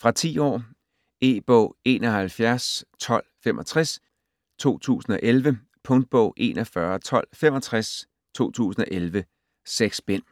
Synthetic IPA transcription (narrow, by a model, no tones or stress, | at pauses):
fʁɑ̈t͡sʰḭːɒ̰ː | e̝̰ːb̥ɔ̰ʊ̰e̝ːnɒ̽hælfjæɐst͡sʰɒ̽l̰femʔɒ̽t͡sʰʁas | t͡sʰo̝̰ːt͡sʰṵːsn̩ɒ̽ʔelʋə | pʰɔ̽ŋd̥̚b̥ɔ̽ʊ̰ʔe̝̰ːnɒfɶɐt͡sʰɒ̽l̰fem̰ɒ̽t͡sʰʁas | t͡sʰo̝̰ːt͡sʰṵːsn̩ɒ̽ʔelʋə | seɡ̥sb̥en̰